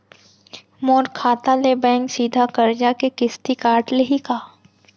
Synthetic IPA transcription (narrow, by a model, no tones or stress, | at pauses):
moːɾkʰaːt̪alebɛ̃ːŋksiːd̪ʱakɐɾd͡ʒakekɪst̪ikaːɾʈleɦikaː